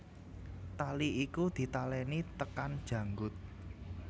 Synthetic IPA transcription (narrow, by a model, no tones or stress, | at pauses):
t̪aliikud̪̥i̤t̪alɛnit̪əkand̥ʒ̥ä̤ŋɡʊt̪̚